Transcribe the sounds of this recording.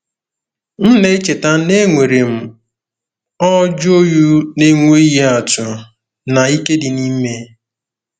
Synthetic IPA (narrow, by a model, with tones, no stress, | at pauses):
n̩˦ne˦t͡ʃe˨ta˦ne˦ŋʷe˨ɾe˨m̩˨ | ɔ˦d͡ʒo˦ju˦ne˦ŋʷe˦i˦ɦe˦a˨tʊ˨ | na˨i˦ke˦dɪ˨ni˦me˦